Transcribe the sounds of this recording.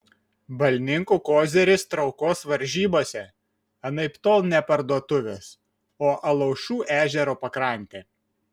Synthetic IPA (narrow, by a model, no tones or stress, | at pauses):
bɐlʲnʲɪŋkuːkoːzʲɛɾʲɪst̪ɾɒʊkoːsʋɐɾʲʒʲiːboːsʲɛ | ɐnɐɪpt̪oːlˠnʲɛpɐɾd̪uɔt̪ʊʋʲɛs | oːʔɐlˠɐʊʃʲuːʔæːʒʲɛɾoːpɐkɾɐˑnʲt̪ʲeː